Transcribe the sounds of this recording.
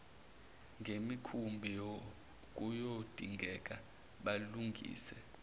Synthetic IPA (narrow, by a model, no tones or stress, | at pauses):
ŋɡʱemikʰumbʱijo | k̬ʼujod̥ʱiŋʱɛk̬ʼa | ɓaluŋɡʱḭːsɛ